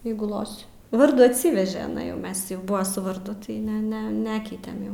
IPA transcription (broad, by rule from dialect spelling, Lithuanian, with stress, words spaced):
ˈjɛɪɡʊ ˈlˠoːsʲɪ ˈʋɐrduː ɐtʲˈsʲiːʋʲɛʒʲɛ ɪˈnɐɪ ˈmʲɛs jɛʊ ˈbʊʋɐ sʊ ʋɐrˈdʊ tɐɪ ˈnʲɛ ˈnʲɛ ˈnʲæːkʲɛɪtʲɛm jɛʊ